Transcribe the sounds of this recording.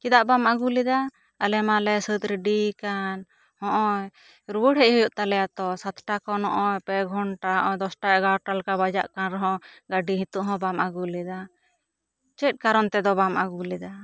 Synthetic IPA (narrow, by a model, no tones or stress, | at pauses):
kid̪aʔbamaɡulid̪a | əlɛmalɛsət̪̚ɾiɖikan | hɔ̃ʔɔj | ɾubəɽɦɛʔɦujuʔt̪alɛjat̪ɔsat̪ʈakɔnɔʔɔjpɛɡʱɔɳʈad̪ɔsʈaɛɡaʈalkabad͡ʒa̰ʔkanɾɔɦɔ̃ɡaɖiɦĩt̪uʔɦɔ̃bamʔaɡulid̪a | t͡ʃɛt̚kaɾɔnt̪ɛd̪ɔbamaɡulid̪a